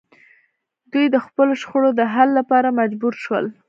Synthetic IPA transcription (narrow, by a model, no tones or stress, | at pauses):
d̪ujd̪əxpəloʃxoɽod̪əɦalːapɑɾamad͡ʒbuɾʃwə̰l